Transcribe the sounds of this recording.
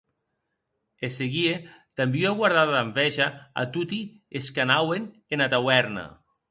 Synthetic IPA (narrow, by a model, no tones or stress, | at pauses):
eseɣiet̪ambiaɣwaɾð̞aðaɱbɛʒaa̰t̪ut̪i | eskanawen | enat̪awɛɾna̰